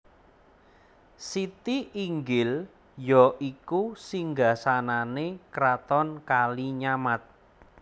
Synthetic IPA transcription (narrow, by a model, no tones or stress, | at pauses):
sit̪iʔiŋɡɪl | jɔʔikusiŋɡasananekɾat̪ɔnkaliɲamat̪̚